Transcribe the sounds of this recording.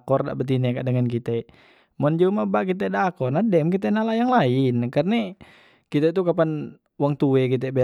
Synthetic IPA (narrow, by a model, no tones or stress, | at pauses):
kɔrda̰ʔbət̪̬inɛkadəŋankit̪ɛ | mɔnd͡ʒumabakit̪̬ɛdakɔrnadɛmkit̪̬ɛnalajaŋlainkarna | kit̪ɛt̪̬ukapan | waŋt̪uɛkit̪̬ɛbɛ